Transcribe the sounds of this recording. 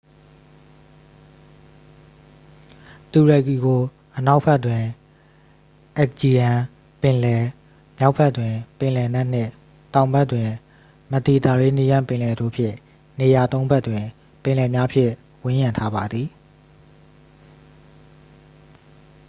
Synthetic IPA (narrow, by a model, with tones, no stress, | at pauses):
t̪u˨ɹɛ˨ki˨ɡo˨ | ʔəna˦ʊʔpʰɛ˦ʔtwɪ̃˨ | ʔɛ˦k̚d͡ʑi˨jã˨ | pɪ̃˨lɛ˨ | mja˦ʊpʰːɛ˦ʔtwɪ̃˨pɪ̃˨lɛ˨nɛ˦ʔn̥ɪ̰̃˦˨ | tã˨ʊ̃mbɛ˦ʔtːwɪ̃˨ | mə˨t̪i˨t̪a˨ɹe˦ni˦jã˦˨mpɪ̃˨lɛ˨do̰˦˨pʰjɪ̰̃˦˨ | ne˨ja˨t̪õ˦ʊ̃mbɛ˦ʔtːwɪ̃˨ | pɪ̃˨lɛ˨mja˦pʰjɪ̰̃˦˨ | wɪ̃˦jã˨ntʰa˦ba˨d̪ði˨